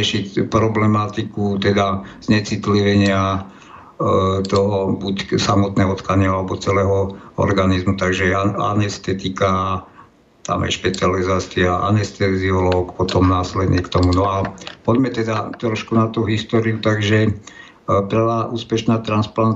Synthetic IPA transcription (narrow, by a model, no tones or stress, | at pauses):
ɛʃicpɾɔblɛmat̪ikut̪ɛd̪az̥ɲɛt͡sit̪liʋɛɲɪa | t̪ɔɦɔbucsamɔt̪nɛːɦɔɔt̪kaɲɪaalɛbɔt͡sɛlɛːɦɔɔ̰ɾɡanizmut̪aɡʒɛa̰nɛst̪ɛt̪ika | t̪a̰ma̰jʃpɛt͡sializaːt͡siaʔa̰nɛst̪ɛziɔlɔkpɔt̪ɔmnaːslɛd̪nɲɛkt̪ɔmunɔapɔɟmɛt̪ɛd̪at̪ɾɔʃkunat̪uɦist̪ɔɾiut̪aɡʒɛ | pɾ̩ʋaːʔuːspɛʃnaːt̪ɾansplan